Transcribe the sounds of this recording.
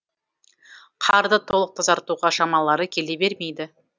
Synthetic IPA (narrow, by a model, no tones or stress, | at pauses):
qʰɑɾd̪ət̪ʰo̞lˠəq̚t̪ʰəzɑɾt̪uʁɑʃɑmɑlˠɑɾəkʲʰe̞le̞be̞ɾme̞jd̪ɪ